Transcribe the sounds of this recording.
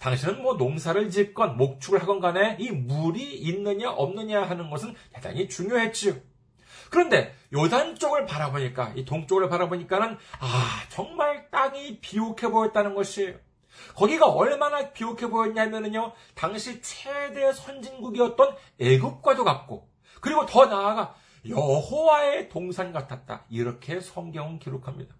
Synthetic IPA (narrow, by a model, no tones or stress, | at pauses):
taŋɕʰinɯnmwʌnoŋsʰaɾɯɭd͡ʑik͈ʌnmok̚t͡ɕʰuɡɯɭɦaɡʌnɡane̞imuɾiːnːɯɲaʔʌmnɯɲaɦanɯnɡʌsʰɯnjada̰ɲit͡ɕuŋjoɦe̞t̚t͡ɕ͈io | kɯɾʌnde̞jʌdant͡ɕ͈oɡɯɭpaɾaboɲik͈a̰itoŋt͡ɕ͈oɡɯɭpaɾaboɲik͈anɯnat͡ɕʌŋmaɭt͈aŋipiokʰe̞bojʌt̚t͈anɯnɡʌɕʰi | kʌɡiɡaʌɭmanapiokʰe̞bojʌɲɲaɦamjʌnɯɲo | taŋɕʰit͡ɕʰede̞sʰʌnd͡ʑinɡuɡiʌt̚t͈ʌn | e̞ɡɯp̚k͈wadokap̚k͈o̰ | kɯɾiɡotʌnaːɡa | jʌhowae̞toŋsʰanɡatʰat̚t͈a̰iɾʌkʰe̞sʰʌŋɡjʌŋɯnkiɾokʰamɲḭd̥a